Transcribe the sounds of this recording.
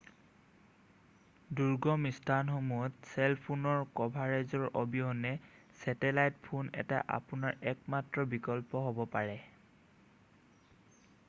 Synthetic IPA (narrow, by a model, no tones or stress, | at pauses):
duɹɡɔmistʰanxomuɔtsɛlpʰunɔɹkɔbʱaɹɛzɔɹʔɔbiɦɔnɛsɛtɛlajtpʰunɛ̰ta̰ʔa̰punaɹɛkmatɹɔbikɔlpɔɦobɔpaɹɛ